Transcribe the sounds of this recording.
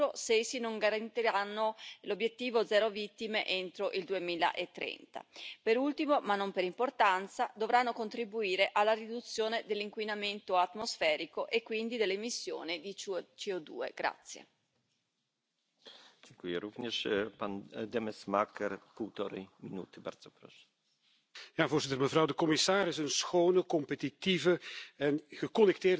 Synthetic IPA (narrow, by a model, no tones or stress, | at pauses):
osesinoŋɡaɾant̪iɾanːolobjet̪ːiːvod̪zɛːɾovit̪ːimeʔent̪ɾoʔild̪uemiːla̰ʔet̪ːɾɛ̰nt̪a̰peɾult̪imomanːompeɾimport̪ant̪sad̪ovɾanːokont̪ɾibuiːɾeʔalːaɾid̪ut̪sːjoːned̪elːiŋkwinament̪oat̪mosfɛːɾikoʔekːwind̪id̪elːemisːjo̰ːnid̪it͡ʃt͡ʃiod̪ṵḛɡ̥ɾa̰t̪sːjḛ | d͡ʒɛŋkujəɾuvɲeʃpand̪ɛmɛsmakɛɾpuwt̪ɔɾɛ̰minṵt̪ɪba̰rd̪zopɾɔ̰ʃɛ̥ | jaːvoːrzɪt̪ərməvɾɑwdəkɔmɪsaːɾɪsənsxownəkɔmpet̪it̪ivəɛnɣəkɔnɛk̚t̪eːr